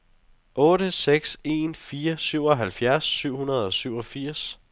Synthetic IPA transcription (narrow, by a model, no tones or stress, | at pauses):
ʔɔ̽ːɾəseɡ̥se̝̰nfiːɐsyʊ̰ɒ̽ɦælfjæɐsːyʊ̰hunɐð̞̩ˠɒ̽syʊ̰ɒ̽fiɐ̰s